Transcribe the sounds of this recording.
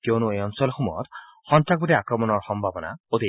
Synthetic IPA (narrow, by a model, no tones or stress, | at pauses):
kjonʊejɔnsɔlxumɔjɔ̰t | xɔntɹak̚bɔdɛakɹɔmɔnɔɹxɔmbʱabɔna̰ot̪i